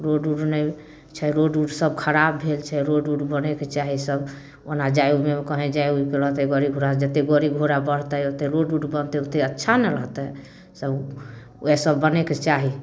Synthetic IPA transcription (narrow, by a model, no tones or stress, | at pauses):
ɾoɖuɖnɛ | t͡ʃʰɛɾoɖuɖsəbkʰəɾabːʱelt͡ʃʰɛɾoɖuɖbəneket͡ʃaɦisəb | onad͡ʒajumemekəɦɛ̃d͡ʒajuikeɾəɦt̪ɛɡəɾiɡʱoɾad͡ʒət̪eɡəɾiɡʱoɾabəɽ̤t̪əot̪eɾoɖuɖbənt̪ɛot̪eətːʃʰanɛɾəɦt̪ɛ | səb | esəbːəneket͡ʃaɦi